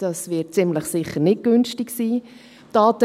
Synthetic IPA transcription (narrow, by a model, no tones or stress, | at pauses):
d̥ɑsʋɪt̚t͡sɪmləχsɪχːəɾnɪt̚ɡ̥ønstiksiː | d̥ɑːt̪ə